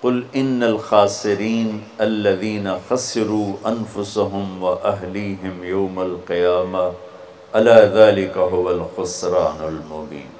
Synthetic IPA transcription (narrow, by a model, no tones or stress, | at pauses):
qʊlɪnːɐlxaːsɪɾiːn | ɐlːɐðiːnɐxɐsɪɾuːʔɐnfʊsaɦʊmwɐʔɐɦliːɦɪmjawmɐlqɪjaːma | ʔɐlaːðaːlɪkaɦʊwɐlxʊsɾaːnalmʊbḭːn